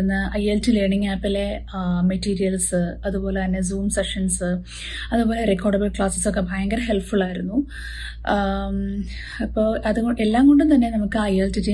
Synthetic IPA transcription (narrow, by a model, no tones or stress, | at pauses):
enːɨʔɐjeltileːɳiŋːaːpːɐle | mɐtːiːɾijɐlsɨɐðubo̞ːle̞t̪ɐnːe̞zuːmseʂɐnsɨ | ɐðubo̞ːle̞rekːoːɖɐbɐlkɭaːsɐ̥sokːe̞bʱaːjɐŋɡɐɾɦe̞lpfuɭaːjiɾunːu | ɐpːo̞ːɐðuɣoʔelːaːŋɡo̞ɳɖunt̪ɐnːe̞nɐmukːɨɐjeltitːi